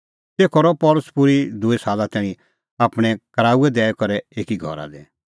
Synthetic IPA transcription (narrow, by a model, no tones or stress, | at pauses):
t̪eːkʰɔɾɔpɔːlʊspʊɾid̪ʊesaːlat̪ɛːɽ̃ĩ | aːpɽ̃ɛ̃kəɾaːuɛd̪ɛːɛkɔɾɛeːkiɡʱɔ̰ɾa̰d̪eː